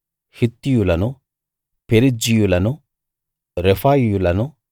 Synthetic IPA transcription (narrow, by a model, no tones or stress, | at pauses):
hit̪ːijulɐnu | peɾid͡ʒijulɐnu | ɾefaːjjulɐnu